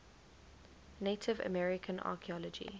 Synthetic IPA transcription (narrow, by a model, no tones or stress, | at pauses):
netʰɪvə̰mɛɹɪkʰə̃nɑ̰ːkʰiɔlɔd͡ʒḭ